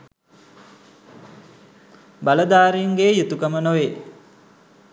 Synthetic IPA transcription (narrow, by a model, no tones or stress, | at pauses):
baləd̪aːɾiŋɡeːjut̪ukəmənoʋe